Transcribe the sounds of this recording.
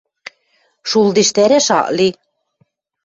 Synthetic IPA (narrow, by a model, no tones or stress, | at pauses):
ʃulˠd̪iʃt̪æɾæʃɑ̰ʔli